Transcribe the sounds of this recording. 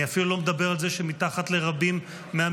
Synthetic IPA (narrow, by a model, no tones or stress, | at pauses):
iafilulo̞med̪abe̞ʁalze̞ʃemitaχat̪le̞ʁabimː | ea